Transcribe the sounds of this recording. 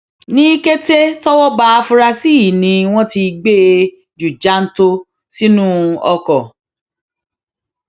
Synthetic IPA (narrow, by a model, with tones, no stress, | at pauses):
nĩ˦ke˦te˦tɔ˦wɔ˦ba˦˧fu˧˦ɾa˧si˦˨nĩ˧w̃ɔ̃˦ti˧ɡ͡be˦ | d͡ʒu˨d͡ʒa˨˦n̩˦to˦ | si˦nũ˦ɔ˧kɔ˨